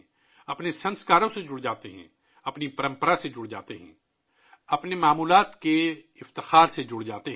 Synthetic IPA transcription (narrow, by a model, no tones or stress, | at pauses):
ɐpnesɐ̃nskaːɾõsed͡ʒʊɽd͡ʒaːt̪eɦɛ̰̃ː | ɐpnipɐɾə̃mpəɾased͡ʒʊɽd͡ʒa̰ːt̪eɦɛ̰̃ | ɐpnemaːmuːlaːt̪ke | ɪft̪ɪxaːɾsed͡ʒʊɽd͡ʒaːt̪eɦ